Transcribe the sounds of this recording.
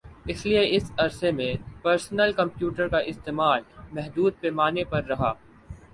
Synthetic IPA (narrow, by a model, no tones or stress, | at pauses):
ɪslieɪsɐɾsemẽpɐɾsnəlkɐ̃mpjuːʈəɾkaʔɪst̪eːmaːlmɛɦd̪uːd̪̚peːmaːnepɐɾːɐɦaː